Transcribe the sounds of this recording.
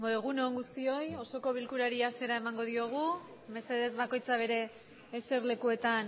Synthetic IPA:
boɣunooŋɡust̪io̞jo̞so̞ko̞βilkuɾaɾiase̞ɾae̞maŋɡo̞ðio̞ɣ̞u | me̞se̞ð̞e̞zβako̞jt͡saβ̞e̞ɾe̞ː | se̞ɾle̞kue̞t̪an

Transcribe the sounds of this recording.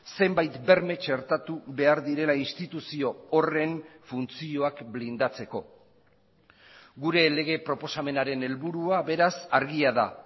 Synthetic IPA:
se̞mbajt̪be̞ɾme̞t͡ʃe̞ɾt̪at̪uβe̞aɾðiɾe̞lainst̪it̪usio̞ore̞ɱfunt͡sio̞akblind̪at͡se̞ko̞̰ | ɣuɾe̞le̞ɣ̞e̞pɾo̞po̞same̞naɾe̞ne̞lβuɾuaβe̞ɾasaɾɣiaða

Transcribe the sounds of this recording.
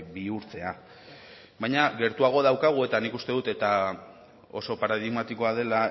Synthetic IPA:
biuɾt͡s̪e̞a | bajɲaɣe̞ɾt̪uaɣ̞o̞ð̞awkaɣ̞ue̞t̪anikust̪e̞ðut̪e̞t̪a | o̞̰so̞paɾað̞iɣmat̪iko̞að̞e̞la

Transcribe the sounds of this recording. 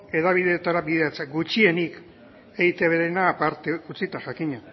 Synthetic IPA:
e̞ðaβ̞iðe̞ːt̪aɾaβiðeat͡seɡut͡ʃie̞nik | e̞ɣit̪eaβeɾenapaɾt̪eut͡sit̪aʝakiɲa

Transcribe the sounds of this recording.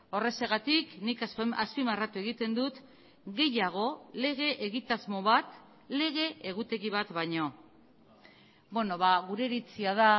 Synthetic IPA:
o̞re̞seɣat̪iknikasaspimarat̪ue̞ɣ̞it̪e̞nd̪ut̪ | ɣe̞jaɣ̞o̞le̞ɣ̞e̞ʔeɣit̪azmo̞βat̪ | le̞ɣ̞e̞ʔːɣut̪e̞ɣiβat̪βajɲo̞ | bwe̞no̞βaɣuɾe̞ɾit͡siaða

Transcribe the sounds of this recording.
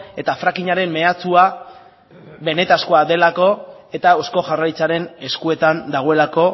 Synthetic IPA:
e̞t̪afɾakiɲaɾe̞mme̞at͡sua | βe̞ne̞t̪askoaðe̞lako̞e̞t̪ao̞sko̞ʝarait͡saɾe̞ne̞skue̞t̪and̪aɣo̞e̞lako̞

